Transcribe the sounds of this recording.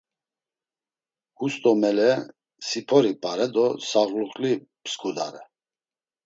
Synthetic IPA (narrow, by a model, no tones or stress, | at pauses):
hust̪ʼɔmɛlɛ | sipʰɔɾipʼaɾɛd̪ɔsaɣluχlipʰskʰʼud̪aɾɛ